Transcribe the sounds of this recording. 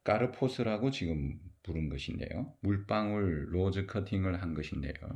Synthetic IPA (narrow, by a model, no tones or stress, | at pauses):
k͈aɾɯpʰosʰɯɾaɡot͡ɕiɡɯmpuɾɯnɡʌɕʰinde̞̰jomuɭp͈aŋɯɭːod͡ʑɯkʰʌtʰiŋɯɭɦanɡʌɕʰinde̞̰jo̰